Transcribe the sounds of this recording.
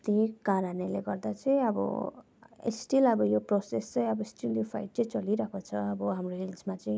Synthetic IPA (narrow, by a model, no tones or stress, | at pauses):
t̪ĩkaɾaneleɡʌrd̪at͡sʌj̃ʌbʌ̰ | ḛsʈilʌbʌjoprosest͡sʌj̃ʌbʌesʈiljopʰa̰jʈ̚t͡sʌj̃t͡sʌliɾʌkot͡sʰʌʌbʌɦamroɦilsmat͡sʌĩ